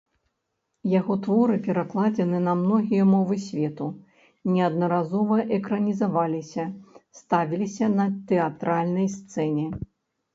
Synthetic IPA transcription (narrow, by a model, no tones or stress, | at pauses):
jaɣɔt̪vɔɾɨpʲɛɾaklˠad͡zʲɛnɨnɐmnɔɣʲijɐmɔvɨsʲvʲɛt̪u | nʲɛɐd̪nɐɾazɔvɐʔɛkɾɐnʲizavalʲisʲɐst̪avʲilʲisʲɐnɐt̪ɛat̪ɾalʲnɐjst̪sɛnʲɛ